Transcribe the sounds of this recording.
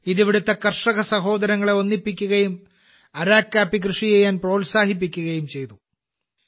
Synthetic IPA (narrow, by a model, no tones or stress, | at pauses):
iðiʋiɽut̪ːɐkɐrʂɐɣɐsɐɦo̞ːd̪ɐɾɐŋːɐɭeo̞nːipːikʲːuɣɐjum | ɐɾaːkʲːaːpːikrɨʂijejaːnpro̞ːlsaːɦip̬ːikʲːuɣɐjumt͡ɕe̞jt̪u